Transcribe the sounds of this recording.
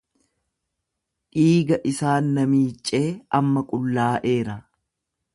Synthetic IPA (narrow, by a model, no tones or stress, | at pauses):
ᶑiːɡɐʔɪsaːnːɐmiːt͡ʃʼːe̞ːʔɐmːɐkʼʊlːaːʔe̞ːɾɐ